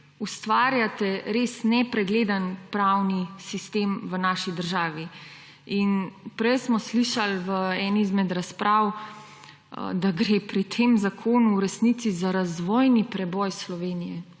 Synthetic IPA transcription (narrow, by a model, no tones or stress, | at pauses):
ust̪ʋaːɾjat̪ɛɾeːsnɛpɾɛɡled̪anpɾawnisist̪eːmʋənaːʃid̪əɾʒaːʋi | inpɾɛjsmɔsliʃalʋəɛnizmɛd̪ɾaspɾʔaːw | d̪aɡɾepɾit̪ʰemzakʰoːnuːɾɛsnit̪sizaɾazʋɔːjnipɾɛbɔjslɔʋeːnijɛ